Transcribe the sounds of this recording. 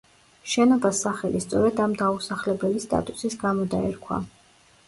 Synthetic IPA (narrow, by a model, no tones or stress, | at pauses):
ʃɛnabasaχɛlist̪sʼɔɾɛd̪amd̪ausaχlɛbɛlist̪ʼa̰t̪ʼusisɡamɔd̪aɛɾkʰwa̰